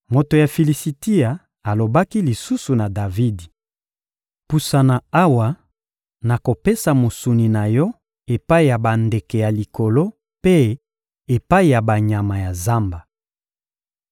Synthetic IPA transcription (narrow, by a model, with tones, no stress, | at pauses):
mo˨to˨ja˨fi˨li˨si˨ti˦a˨ | a˨lo˨ba˦ki˦li˨su˦su˨na˨da˨vi˦di˨ | pu˨sa˨na˨a˦wa˨ | na˨ko˨pe˦sa˨mo˨su˨ni˨na˨jɔ˦ | e˨pa˦i˦˨ja˨ba˨nde˨kɛ˨ja˨li˨ko˨lo˦ | pe˦ | e˨pa˦i˨ja˨ba˨ɲa˨ma˨ja˨za˦mba˨